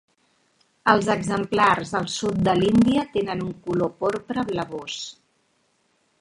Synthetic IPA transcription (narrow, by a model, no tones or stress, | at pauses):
əlˠzəɡzəmplarzðəlˠsut̪̚d̪əlind̪iət̪enənuŋkulopɔɾpɾəβləβos